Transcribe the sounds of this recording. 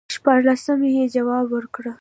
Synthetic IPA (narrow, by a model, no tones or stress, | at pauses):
ʃpɑɾlasəmejed͡ʒawɑbwəɾkɽə